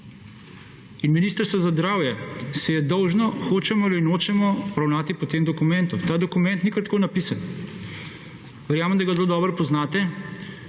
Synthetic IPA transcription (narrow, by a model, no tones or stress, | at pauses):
inminiːst̪əɾst̪ʋɔzazd̪ɾaːwjɛsɛjɛd̪ɔwʒnɔxoːt͡ʃɛmɔlinoːt͡ʃɛmɔɔɾawnaːt̪ipɔt̪eːmd̪ɔkumɛnt̪ut̪aːd̪ɔkumɛnt̪nikɐɾt̪koːnapisan | ʋɛɾjaːməmd̪aɡazloːd̪ɔːbɾpɔznaːt̪ɛ